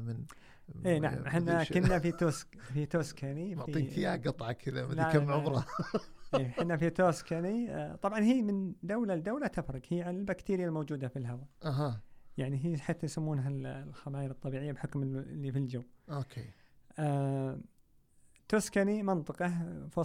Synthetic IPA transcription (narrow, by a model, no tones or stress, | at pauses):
mn | ʔeːnaʕammħɪnːakʊnːafit̪oskfit̪oːskanimiiːkɪjaɡɨt̪ˤʕɑkʰɪða̰maʕʊbɾˤɑʔeːħɪnːafit̪oːskanḭt̪ˤɑbʕɑnhiːmɪnd̪awlald̪ːawlat̪afɾˤɑɡhiːʕanɪlbakt̪iːɾɪjalmoːd͡ʒuːd̪afilɦawaʔaɦajaʕniɦiːħaːt̪ːajsamːuːnɦallxamaːjɪɾɨt̪ˤːɑbiːʕɪjːabħʊkmɪlːifild͡ʒawːokʰea | t̪ːoːskanimɪnt̪ˤɨqɑfo